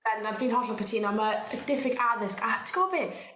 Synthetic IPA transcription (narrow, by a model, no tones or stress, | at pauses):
ɛnanfiːnɦɔɬɔkətʰiːnɔmad̥ɪθɪɡaðɪskatʰɡ̥ɔbi